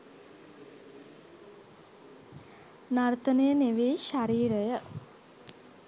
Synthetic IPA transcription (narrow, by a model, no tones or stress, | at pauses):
nart̪ənəjəneʋeːʃaɾiːɾəjə